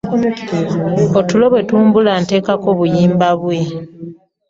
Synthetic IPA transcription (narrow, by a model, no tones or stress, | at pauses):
otulo̞βwe̞tuːmbulante̞ːkako̞βujiːmbaβwe̞